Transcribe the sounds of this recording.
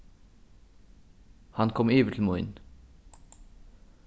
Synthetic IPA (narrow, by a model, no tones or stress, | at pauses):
hɑnkʰɔmyːʋət̪ʰl̩muɪ̰n